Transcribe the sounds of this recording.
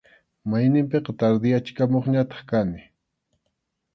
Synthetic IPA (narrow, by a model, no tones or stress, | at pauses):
majnɪmpeqɑt̪aɾd̪ɪjat͡ʃkamoχɲat̪ɑ̥χkanɪ